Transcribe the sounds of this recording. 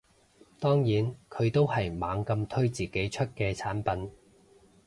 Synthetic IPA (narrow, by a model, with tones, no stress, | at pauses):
t̪ɔː˥ŋjiː˨˥nkʰɵ˨˧ɥt̪o˥whɐ˨jmaː˨˥ŋkɐ˧mt̪ʰɵ˥ɥt͡siː˨ke˨˥jt͡ʃʰɵ˥t̚kɛː˧t͡sʰaː˨˥npɐ˨˥n